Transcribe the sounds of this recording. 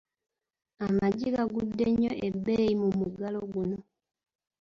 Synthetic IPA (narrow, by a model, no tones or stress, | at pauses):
amaɟiɣaɡudːeɲːoʔebːejimumuɡaloɡuno